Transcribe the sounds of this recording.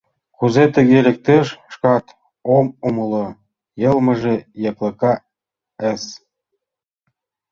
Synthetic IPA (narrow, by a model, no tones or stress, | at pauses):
kuzet̪ə̆ɣelʲĕk̚t̪eʃʃkɑt̪ | omumɤlo | jɤ̆lmɤ̆ʒejɤ̆klɤ̆kɑ | əs